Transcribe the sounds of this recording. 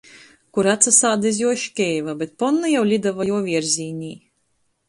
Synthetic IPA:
kuɾat̪sasaːd̪azjuɔʃkʲɛːjvabʲet̪̚pɔnːajawlʲid̪avajuɔvʲiɛɾzʲiːɲʲiː

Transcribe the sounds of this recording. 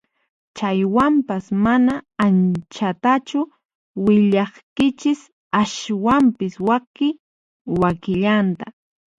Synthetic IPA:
t͡ʃajwampasmanaːnt͡ʃat̪at͡ʃʊ | wɪʎɑχkɪt͡ʃɪs | aʃwampɪswakɪ | wakɪʎant̪a

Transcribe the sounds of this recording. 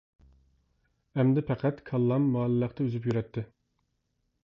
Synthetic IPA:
ɛmd̪ɪpʰɛqʰæt̪kʰɑlˠːɑmːɑːllːəqt̪ʰɛøzyp̬jyɾɛt̪ʰːɪ

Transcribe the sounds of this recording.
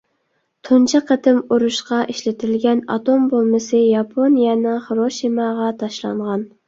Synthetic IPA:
t̪ʰunt͡ʃʰɨqʰət̪ɪmuɾuʃqɑʔiʃlɪt̪ʰɪlɡʲɛnɑ̰t̪ombolˠmɪsɨjɑpʰonijɛnɨŋχɾoʃimɑʁɑt̪ʰɑʃlˠɑ̰ɴʁɑn

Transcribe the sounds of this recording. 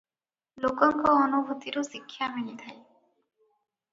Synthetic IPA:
lokɔŋkoɔnubʱut̪iɾoʃikʰːjaminit̪ʰaj

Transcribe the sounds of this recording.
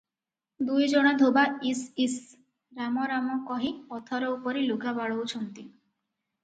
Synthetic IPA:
d̪ujd͡ʒɔɽ̃ɔd̪ʱobaisis | ɾamɔɾamɔkɔɦĩɔt̪ʰɔɾɔupɔɾiloɡabaɭɔwt͡ʃʰɔnt̪i

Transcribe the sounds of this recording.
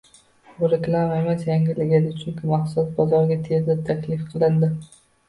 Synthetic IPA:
bʊɾekʲlˠamaemasjaŋʲɪlɪɡʲɪd̪ɪt͡ʃʰʊŋkʲɪmaqsʊsbɒzɒɾɡʲat̪ʰezɪt̪ʰakʲlɪfqʰɨlˠɪnd̪ɪ

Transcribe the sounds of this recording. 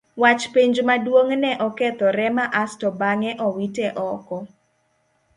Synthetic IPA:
wat͡ʃpeɲd͡ʒmadwoŋnɛʔɔkɛt̪ɔɾɛmaʔastɔbaŋɛʔɔwitɛʔɔkɔ

